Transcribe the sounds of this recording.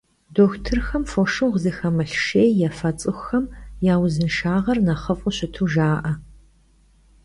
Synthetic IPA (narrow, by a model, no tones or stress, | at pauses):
doːxʷtʰɨrxɐmfoʃɨwʁzɨxɐmɐɬʃeːjjafɐt͡sʼɨxʷxɐmjaːwzɨnʃaːʁɐrnɐχəfʼʊɕɪtʰuːʒaːʔɐ